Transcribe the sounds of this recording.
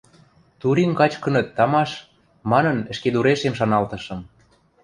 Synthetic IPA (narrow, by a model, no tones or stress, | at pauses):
t̪uɾiŋkɑt͡ɕkɤ̆nɤ̆t̪ːɑmɑʃ | mɑnɤ̆nɘ̆ʃked̪uɾeʃemʃɑnɑlt̪ɤ̆ʃɤ̆m